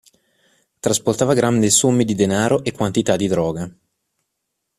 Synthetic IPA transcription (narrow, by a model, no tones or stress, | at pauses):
t̪ɾasport̪aːvaɡɾand̪isomːid̪id̪enaːɾoʔekːwant̪it̪ad̪id̪ɾɔːɡa